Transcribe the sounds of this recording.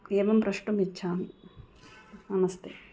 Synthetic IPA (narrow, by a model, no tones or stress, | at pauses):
eːʋɐmpɾɐʂʈumitːɕʰaːm | ɐnɐst̪ʰe